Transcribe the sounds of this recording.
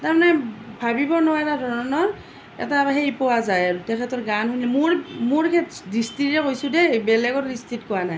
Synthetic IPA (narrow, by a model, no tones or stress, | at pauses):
taɹmanɛbʱabibɔɹnʊwaɛtadʱɔɹɔnɔɹ | ɛ̰taaɦeɹipɔwazajaɹutɛkʰɛtɔɹɡanɦunɛmʊɹmʊɹkʰɛtdistitɹɛkojsʊdɛbɛlɛɡɔtdistitkɔwanaj